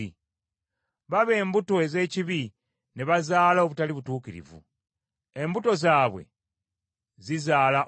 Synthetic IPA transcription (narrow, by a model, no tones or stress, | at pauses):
i | βaβe̞ːmbuto̞e̞ze̞ːciβi | neβazaːlao̞βutaliβutuːkiɾḭvṵ | e̞mbuto̞zaːβwḛ | zizaːla